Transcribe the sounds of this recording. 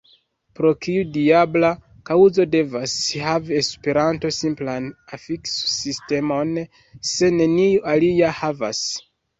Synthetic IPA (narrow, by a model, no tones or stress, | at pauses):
pɾo̞kiudiabla | kawuzo̞de̞vashavie̞spe̞ɾanto̞simplanafikssiste̞mo̞n | se̞ne̞niuʔaliahava̰s